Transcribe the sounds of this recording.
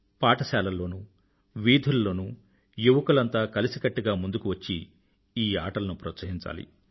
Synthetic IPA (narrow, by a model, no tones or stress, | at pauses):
paːʈɐsaːlɐlːo̞ːnu | ʋiːd̪ʱulɐlo̞ːnu | juʋɐkulɐnt̪aːkɐlisikɐʈːiɡaːmund̪ukuʋɐt͡ʃːi | iːaːʈɐlɐnupɾɐːt̪sɐɦiɲt͡ʃa̰ːlḭ